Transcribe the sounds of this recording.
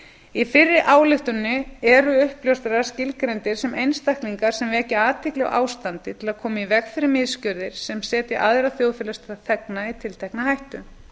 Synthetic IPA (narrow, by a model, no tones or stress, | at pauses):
ifɪrːɪʔaːwlɪht̪ʏnːʏɛɾʏʏhpljowst̪ɛɾaɾ̥scɪlkɾɛnt̪ɪɾ̥sɛmejnst̪ahkliŋkaɾ̥sɛmvɛcɪaːt̪ʰɪklɛɣ̰ʔa̰ːwst̪ant̪ɪt̪ʰɪlaðkʰɔːmaivɛkfɛɾɪmɪðscœɾðɪɾ̥sɛmsɛːt̪ɪʔaðɾaθjoːwfɪːlœst̪aθɛknait̪ʰɪlt̪ʰɛhknahajht̪ʏ